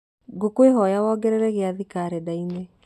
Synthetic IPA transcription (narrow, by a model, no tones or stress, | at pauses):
ɡokweɦɔjawɔːɡɛɾɛɾɛɣeaðikaɾɛdaine